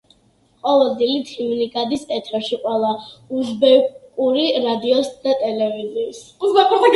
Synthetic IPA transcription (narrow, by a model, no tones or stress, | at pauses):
qʼɔvɛld̪zilit̪ʰimnikʼad̪isʼɛt̪ʰɾɛʃiqʼwɛlˠauzbɛkkʼuɾiɾad̪iɔsd̪̥at̪ʼɛlɛvizisuzbɛkʼu